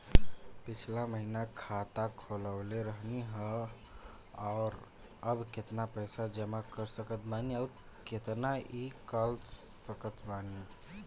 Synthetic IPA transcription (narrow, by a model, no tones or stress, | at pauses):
pit͡ʃʰlaməɦinakʰat̪akʰoləbleɾəɦniɦə | aʊɾ | əbket̪napəjsad͡ʒəmakəɾsəkət̪maniaːɾ | ket̪naʔikəlsəkət̪mani